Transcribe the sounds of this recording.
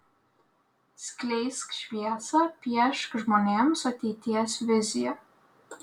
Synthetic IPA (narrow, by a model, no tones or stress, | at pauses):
sʲkʲlʲɛɪskʃʲʋʲiɛsɐpʲiɛʃkʒmoːnʲeːmsɐt̪ʲɛɪt̪ʲiɛsʋʲɪzʲɪjɛ